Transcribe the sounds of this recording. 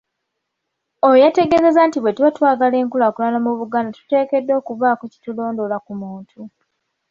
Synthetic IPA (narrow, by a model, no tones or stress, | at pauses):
ojate̞ɡe̞ze̞zantiβwe̞twatwaːɡale̞ːŋkulakulanamuβuɡaːndatu̥te̞ːke̞dːo̞ːkuβaːkoci̥tulo̞ːndo̞lakumuːntʰu